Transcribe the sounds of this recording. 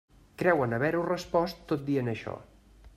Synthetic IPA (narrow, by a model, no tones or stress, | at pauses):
kɾɛwənəβɛɾurəspɔst̪ːot̪̚d̪iənəʃɔ̰